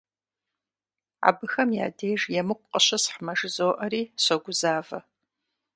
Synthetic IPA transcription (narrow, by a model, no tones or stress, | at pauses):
a̰bɨxɐmja̰ːdeːʒjɛmɨkʷʼqʼəɕɐsħmɐʒɨzoːʔɐɾiːɕɐɡʷʊzaːvɐ